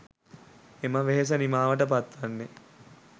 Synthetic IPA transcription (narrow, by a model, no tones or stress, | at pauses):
eməʋeɦes̬ənimaːʋəʈəp̬at̪ʋanːe